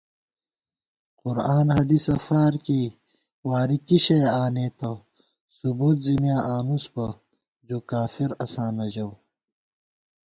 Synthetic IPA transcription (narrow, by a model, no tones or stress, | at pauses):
qʊɾaːnhɐd̪isɐfaːɾki | waːɾikiɕeaːneːt̪ʰɐ | subuːt̪zimjaːʔaːnusbɐ | d͡ʑoːkaːfiɾɐsaːnɐd͡ʑɐw